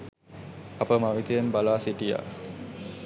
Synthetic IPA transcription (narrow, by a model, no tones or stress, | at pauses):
apəmaʋit̪ejembalaːsiʈija̰ː